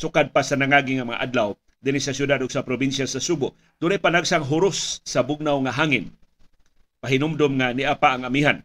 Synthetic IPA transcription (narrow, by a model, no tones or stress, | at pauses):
sʊkad̪̚pasanaŋaɡɪŋamɐŋa̰ʔad̪law | d̪ɪnisasjʊd̪ad̪ʊɡsapɾobinsjasasubʊ | d̪̥ʊnlajpanaɡsaŋɦʊɾʊsːabʊɡ̚nawŋaɦaŋɪn | paɦɪnʊmd̪ʊmŋanɪʔapaːŋamiɦan